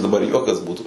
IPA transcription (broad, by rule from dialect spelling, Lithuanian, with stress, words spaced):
dɐˈbɐr ˈjuɔkɐs ˈbuːtʊ